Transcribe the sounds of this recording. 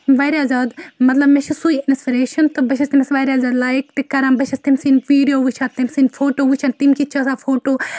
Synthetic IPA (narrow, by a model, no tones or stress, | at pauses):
ʋaːɾaːzaːd̪mɐt̪lɐbmet͡ʃʰisuiɪnspiɾeːʃɐnt̪ɨbɐʃʰɐst̪imɐsʋaːɾʲaːzaːd̪laːikt̪ekɐɾãːbɐʃʰɐst̪imsinʋiːɖijoːʋut͡ʃʰaːt̪imsinfʰoːʈoːʋut͡ʃʰant̪imkit͡ʃʰɐsafʰoːʈoː